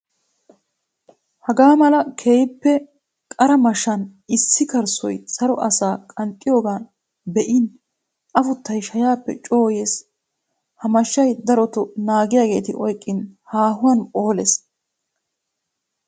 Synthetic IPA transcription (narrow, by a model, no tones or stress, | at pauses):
hɐɡaːmɐlɐkʰeːjɪpːɛ | kʼɐɾɐmɐʃɐnɪsːɪkɐɾsɔ̰jsɐɾɔʔɐsaːkʼɐnt̪ʼːɪjo̞ːɡaːn | bɛʔɪn | ʔɐfʊt̪ːɐjʃɐjaːpːɛ̰t͡ʃʼo̞ːjeːs | hɐmɐʃːɐjd̪ɐɾɔt̪ɔnaːɡɪjaːɡe̞ːt̪ɪʔɔjkʼːɪnhaːɦʊwɐnʼo̞ːlɛs